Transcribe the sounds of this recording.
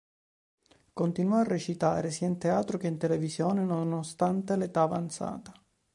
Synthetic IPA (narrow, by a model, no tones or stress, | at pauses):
kont̪inwɔarːet͡ʃit̪a̰ːɾesiaint̪eaːt̪ɾokeint̪elevisjoːnenonost̪ant̪elet̪aːva̰nt̪sa̰ːt̪ḁ